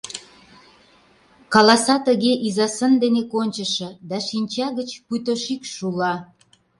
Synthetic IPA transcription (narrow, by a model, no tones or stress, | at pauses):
kɑlɑsɑt̪əɣeʔizɑsə̆nd̪enekonʲt͡ɕəʃĕd̪ɑʃinʲt͡ɕɑɣət͡ɕput̪oʃikʃulɑ